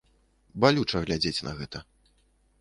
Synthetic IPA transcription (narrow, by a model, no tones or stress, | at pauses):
balʲut͡ʂɐɣlʲad͡zʲet͡sʲnʔɐ̰ɣɛt̪ɐ